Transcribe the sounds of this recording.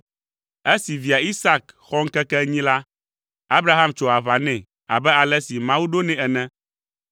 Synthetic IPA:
e˦si˨vi˨a˨i˦sa˦kxɔ˦ŋ̩˦kɛ˦kɛ˦ɲĩ˦la˦ | a˦bɾa˦ɦa˦mt͡ʃɔ˨a˨va˨nɛ̃˨ | a̰˨bɛ˦a˨lɛ˦si˨mã˦wu˦ɖo˦nɛ̃˨ɛ˨nɛ̃˦

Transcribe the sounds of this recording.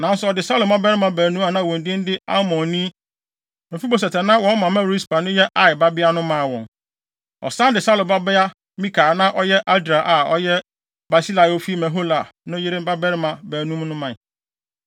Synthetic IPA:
nã˨˦n̩˦sʊ˦ɔ˨dɪ˨sa˦lʊ˨mã˦bɛ˦ɾɪ˦mã˨bæː˨nũ˦a˨nã˦˨wɔ̃˨n˨dĩ˦n˦dɪ˦a̰˦mɔ̃˨nĩ˦ | mɪ̃˨fi˦bo˨s̬ɛ˨tɛ˨nã˦wɔ̃˨˦n˦mã˨mɛ̃˦˨ɾi˦spa˨nʊ̃˦jɛ˦ʔa˦ɪ˨ba˦bɪ˦a˦nʊ̃˦mã˨wɔ̰̃˨ŋ | ɔ̰˨sã˦ndɪ˨sa˦lʊ˨ba˦bɪ˦a˦ | mĩ˦kʰaː˨nã˦ʔɔ˦jɛ˦ʔa˦dɾa˨ʔa˨ɔ̰˦jɛ˦ | ba˨si˦la˨o˦fi˦mɛ̃˨ɦo˦la˨nʊ̃˦jɪ˦ɾɪ˦m˦ba˦bɛ˦ɾɪ˦mã˨bæː˨nũ˦m˦nʊ̃˦mã˨

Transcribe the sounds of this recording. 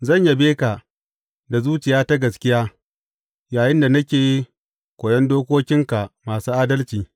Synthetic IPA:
zɐ˦˨ɲja˦beː˦ka˨ | da˨zuː˦t͡ʃɪ˨jaː˦ta˦ɡɐ˨skʲɪ˦jaː˦ | jaː˨jɪ˦nda˨nɐ˦kʲeː˨ji˦ | kʷoː˨jɛ˦ndoː˦kʷoː˦kʲɪ˦ŋka˨maː˨suː˦ʔaː˦dɐ˦lt͡ʃiː˨

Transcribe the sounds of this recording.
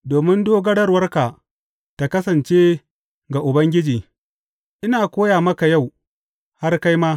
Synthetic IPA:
doː˨mɪ˦ndoː˦ɡɐ˦ɽɐ˦rwɐ˦rka˨ | ta˨kɐ˦sɐ˨nt͡ʃeː˦ | ɡa˨ʔʊ˨bɐ˦ŋɡʲɪ˦d͡ʒiː˨ | ʔɪ˦naː˨kʷoː˦jaː˨mɐ˦ka˨ja˦˨w | ha˦rka˦jmaː˦

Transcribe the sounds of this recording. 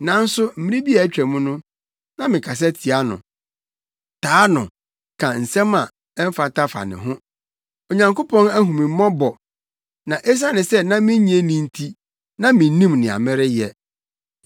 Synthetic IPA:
nã˨˦n̩˦sʊ˦m̩˦mĩ˦ĩ˦bi˦a˨˦t͡ɕᶣɛ˨mʊ̃˦nʊ̃˦ | nã˦mɪ̃˨kʰa˨s̬ɛ˦tʰi˨a˦nʊ̰̃˨ | tʰaː˨˦nʊ̃˨ | kʰã˨n̩˨sɛ̃˦mã˨ | ɛ˦m̩˦fa˨tʰa˦fa̰˨nɪ̰̃˨ɦʊ̃˦ | o˨ɲã˨ŋko˦pʰɔ̃˦næ˦ɦũ˨mɪ̃˨m˦ɔ̃˦bɔ˨ | nã˨ʔe˦s̬a˦nɪ̃˨sɛ˦nã˦mɪ̃˦ɲĩ˦e˦nĩ˦n̩˦tʰi˦ | nã˦mɪ̃˨˦nĩ˦mnɪ̃˨a̰˨mɪ̃˦ɾɪ˦jɛ˨

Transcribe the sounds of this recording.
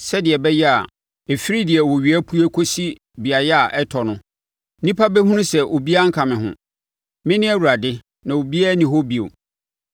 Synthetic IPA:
sɛ˦dɪ˨ɛ˨bɛ˦jɛ˦a˨ | e˨fɪ˦ɾi˦dɪ˨ɛ˨wo˨ɥi˨˦æ˦pʰu˦ɛ˦kʰo˦si˦ | bi˨a˨jɛ˦a˨ʔɛ˦tʰɔ˨nʊ̃˦ | nĩ˦pʰa˦bɛ˦ɦũ˦nʊ̃˦sɛ˨ʔo˨bi˦a˦ŋ̩˦kʰã˨mɪ̃˨ɦʊ̰̃˨ | mɪ̃˦nɪ̃˦ɛ˦˨wu˨ɾa˨dɪ˦ | nã˨o˨bi˦a˦nĩ˨ɦo˦bi˨o̰˨

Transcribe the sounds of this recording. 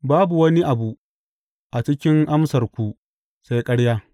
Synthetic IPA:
baː˦bu˨wɐ˦ni˦ʔa˨bu˨ | ʔa˨t͡ʃɪ˦kʲɪ˦ŋʔa˦msɐ˨rkʷu˨ | sa˦jkʼɐ˦ɽjaː˦

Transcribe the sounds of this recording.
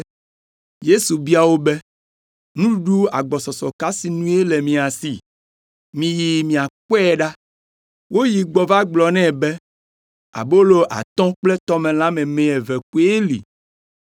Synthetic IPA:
je˦su˨bi˦a˨wo˦bɛ˦ | nũ˦u˦ɖu˦a˨ɡ͡bɔ˨sɔ˨sɔ˨ka˦si˨nũ˦e˦lɛ˨mĩ˨a˨si˨ | mĩ˨ji˨mĩ˨a˨k͡pɔ˦ɛ˦ɖa˦ | wo˦ji˨ɡ͡bɔ˨va˦ɡ͡blɔ˨nɛ̃˦˨bɛ˦ | a̰˨bo˦lo˦ʔa̰˨t̪ɔ̃˦k͡plɛ˦t̪ɔ˦mɛ̃˨lã˦mɛ̃˨mɛ̃˨ɛ˨vɛ˨ku˦e˦lḭ˨

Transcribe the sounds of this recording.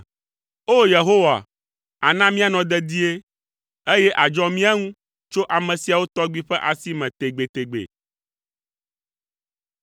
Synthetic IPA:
o˦je˨ɦo˦wa̰˨ | a˨nã˦mĩ˦a˨nɔ̃˨d̪ɛ˦d̪i˦e˦ | e˦je˦ʔa˨d͡ʒɔ̃˦mĩ˦a˦ŋũ˦ | t͡ʃo˦ʔa˨mɛ̃˨si˨a˨wo˦t̪ɔ˦ɡ͡bi˦ɸɛ˦ʔa˨si˦mɛ̃˨t̪e˨ɡ͡be˨t̪e˨ɡ͡bḛ˨

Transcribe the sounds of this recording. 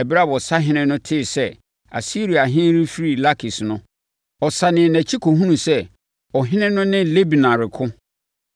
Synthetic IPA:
ɛ˨bi˦ɾa˦bɔ˨sa˦ɦɪ̃˦nɪ̃˦nʊ̃˦tʰɪː˦˨sɛ˦ | a̰˨si˦ɾi˨a˨ɦɪ̃˦n˦ɾi˦fi˦ɾi˨la˦kʰi˨snʊ̃˦ | ɔ˨sa˨nɪ̃˨næ̃˨t͡ɕʰi˦kʰo˨ɦũ˦nũ˨sɛ˦ | ɔ˨ɦɪ̃˦nɪ̃˦nʊ̃˦nɪ̃˦le˦bi˨nã˨ɾɪ˨kʰʊ̃˦

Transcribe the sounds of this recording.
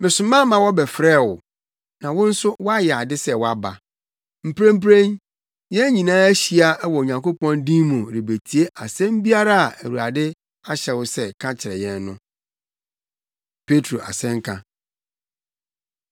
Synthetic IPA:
mɪ̃˨sʊ̃˨mã˦mã˨wɔ˦bɛ˨fɾɛː˦˨wʊ˨ | nã˨wʊ̃˦n̩˦sʊ˦wɔ˦a˦jɛ˨a˨dɪ˦sɛ˦˨wɔ˦a˦ba˨ | m̩˨pʰɾẽ˦m̩˦p̬ɾẽ˦n | jɛ̃˦ɲĩ˨nãː˦æ˦ɕi˨a˨ɛ˦wɔ˨o˨ɲã˨ŋko˦pɔ̃˦ndĩ˦mʊ̃˨ɾɪ˨be˨tʰi˨e˦ʔa˨sɛ̃˦m˦bi˦a˦ɾa˦a˨ʔæ˨wu˨a˨dɪ˦ | a˦ɕɛ˨wʊ˦sɛ˦kʰã˦t͡ɕʰɪ˨ɾɛ˨jɛ̃˨nːʊ̃˦ | pʰe˦tʰɾo˨ʔa̰˨sɛ̃˦ŋ˦kʰã˦

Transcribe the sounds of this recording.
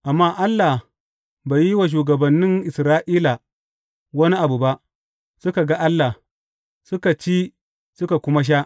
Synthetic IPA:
ʔa˨mːaː˦ʔa˦lːaː˨ | baː˨ji˦wa˨ʃ̬uː˨ɡɐ˨bɐ˨nːɪ˦ŋʔɪ˨sɾaː˦ʔiː˦la˨ | wɐ˦ni˦ʔa˨bu˨ba˦ʔ | sʊ˦ka˨ɡa˦ʔa˦lːa˨ | sʊ˦ka˨t͡ʃiː˦ | sʊ˦ka˨kʷʊ˦ma˦ʃ̬a˦ʔ

